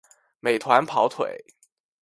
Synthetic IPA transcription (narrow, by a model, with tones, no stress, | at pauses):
me˨˩ɪt̪ʰwa˧˥npʰɑ˧˥ʊt̪ʰwḛ˨˩˦ɪ